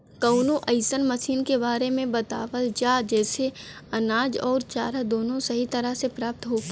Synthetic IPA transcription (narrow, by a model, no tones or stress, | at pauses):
kɐʊnõʔəɪsənmɐsiːnkebaːɾemẽbɐt̪a̰ːʋəld͡ʒaːd͡ʒɛːse | ɐnaːd͡ʒɔːɾt͡ʃaːɾəd̪oːnõsɐɦit̪ɐɾəsepɾaːp̚t̪ɦoː